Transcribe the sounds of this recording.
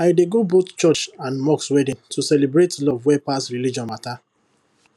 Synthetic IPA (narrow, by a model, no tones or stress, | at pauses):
aɪdeɡobott͡ʃɔt͡ʃãnmɔkswɛdĩntʰusɛlebɹetlɔvwɛpastɹilid͡ʒɔ̃nmata